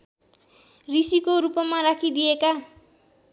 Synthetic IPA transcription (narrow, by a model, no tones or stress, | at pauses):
risikoɾupʌmaɾakʰid̪ieka